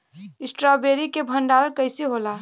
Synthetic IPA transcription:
ɪsʈɾabeɾikebʱənɖaːɾəɾkəɪsiɦola

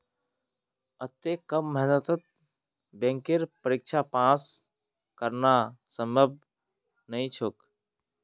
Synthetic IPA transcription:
ət̪ekəmːəɦnət̪ət̪̚ | bẽŋkɪɾpəɾɪk̚t͡ʃʰapãːs | kəɾnasəməb̚ | nəĩt͡ʃʰok

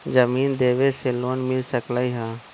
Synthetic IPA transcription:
d͡ʒəmiːnd̪eːʋeseloːnmɪlsəklaiɦãː

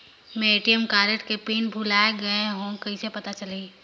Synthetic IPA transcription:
mẽeːʈijəmkaːɾeʈkepiːnbʱulaːeɡɐẽɦõkɐɦisepɐt̪at͡ʃɐliː

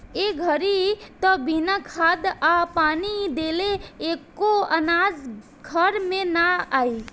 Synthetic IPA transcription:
eɡʱəɾit̪ɔbinakʰad̪apanid̪eleːkːoənad͡ʒ | ɡʱəɾmenaai

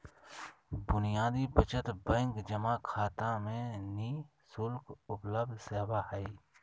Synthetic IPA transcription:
bʊnijaːd̪ibət͡ʃət̪bə̃ŋkd͡ʒəmakʰaːt̪ãmẽniː | sʊlkʊpləb̚d̪ʱseːʋahɛi

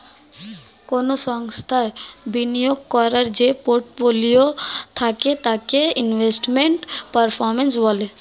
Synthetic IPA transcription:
koːnosɔŋst̪ʰabinijoɡkɔɾəɾd͡ʒepoɾʈfolijot̪ʰaket̪akeinʋesʈmeɳʈpəɾpʰɔɾmensbɔle

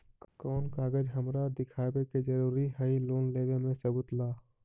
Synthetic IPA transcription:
kɔːnkaːɡəd͡ʒɦəmɾad̪ɪkʰaːbeked͡ʒəɾuːɾiɦəiloːnleːɡemẽsəbʊt̪laː

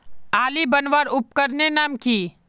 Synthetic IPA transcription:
aːlibɐnʋaːɾʊp̚kəɾnenaːmkiː

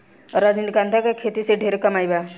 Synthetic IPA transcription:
ɾad͡ʒnilkant̪ʰakakʰet̪iseɖʱeɾkəmajba

